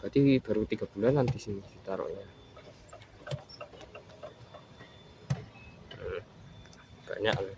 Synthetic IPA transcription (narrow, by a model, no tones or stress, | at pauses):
kad̪ib̥aɾut̪iɡab̥ulanːant̪isinisit̪aɾɔ̰ʔja | ka̰ʔɲa̰ʔalɛ